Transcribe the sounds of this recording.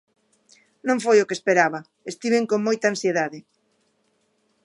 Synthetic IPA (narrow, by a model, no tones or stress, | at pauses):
nõɱfojʊkespeɾaβɐ | est̪iβeŋkoŋmojt̪aːnsjeðaðɪ